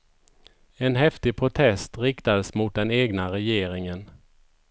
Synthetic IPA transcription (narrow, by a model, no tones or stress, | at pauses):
ɛnɦɛft̪ɪɡ̚pʰɾʊt̪ʰɛst̪ɾɪkt̪ad̪əsmʊt̪̚d̪ɛneːɡnaɾɛjeːɾɪŋən